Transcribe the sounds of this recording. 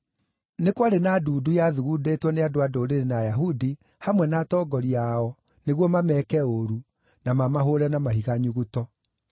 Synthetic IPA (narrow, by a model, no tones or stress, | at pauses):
nekwaɾenaduːdujaðuɣudetwɔneadoadoɾeɾenajaɦudi | hamwɛnaːtɔːɡɔɾiaɔ | neɣwɔmamɛkɛoɾu | namamaɦoɾɛnamaɦiɣaɲuɣutɔ